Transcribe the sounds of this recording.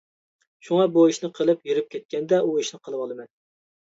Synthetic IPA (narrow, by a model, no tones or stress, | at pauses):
ʃuŋɑbuiʃnɨqʰəlˠɨpjiɾɪp̚kʲʰɛt̪̚kʲʰɛnd̪ɛuiʃnɨqʰəlˠɨwɑlˠɨmɛn